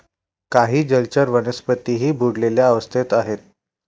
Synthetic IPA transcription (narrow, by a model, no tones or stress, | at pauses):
kaɦiːd͡ʑəlt͡ɕəɾʋənəspət̪iɦiːbʱuɽleljaːʋəst̪ʰet̪aɦet̪̚